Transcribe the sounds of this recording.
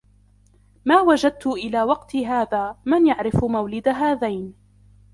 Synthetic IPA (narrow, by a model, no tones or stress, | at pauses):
maːwad͡ʒad̪̚t̪ʊʔɪlaːwɑqt̪ɦaːðaːmanjaʕɾɪfmawlɪd̪aɦaːðajn